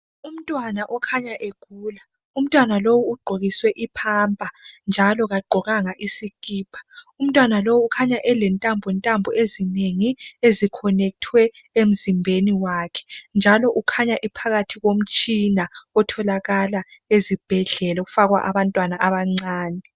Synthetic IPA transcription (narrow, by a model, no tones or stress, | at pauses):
um̩tʼwanaʔɔkʰaɲaʔeɡ̥ʱuːla | um̩tʼwanalowuːɡ͡ǃʱoɣiswɛʔipʰambʼʱand͡ʒʱalɔɣaɡ͡ǃʱɔɣaŋaʔisikʼiːpʰḁum̩tʼwanalowukʰaɲaʔɛlɛntʼambʱɛntʼambʱɔezineŋiezikʰɔnɛk̚tʰwɛem̩zimbʱeniwakʰɛ̥nd͡ʒʱalɔʔukʰaɲaʔipʰaɣatʰiɣom̩t͡ʃʼinaɔtʰɔlaɣalaezib̥ʱɛɮɛlaɣufaɣwa̰ʔaβantʼwanaʔaβaŋ͡ǀaːnɛ